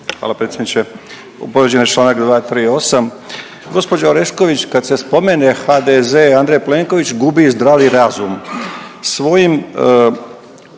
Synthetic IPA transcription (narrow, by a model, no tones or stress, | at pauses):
xʋa̰ːlapɾet̪sʲjed̪nit͡ʃe | ṵpoɾed͡ʑenjet͡ʃlˠaːnakd̪ʋaːt̪ɾio̞sam | ɡo̞spo̞d͡ʑaɾe̞ʃko̞ʋit͡ɕkad̪se̞spo̞me̞nexad̪ezeand̪ɾejpleŋko̞ʋit͡ɕɡubizd̪ɾaːʋiɾazumsʋo̞jim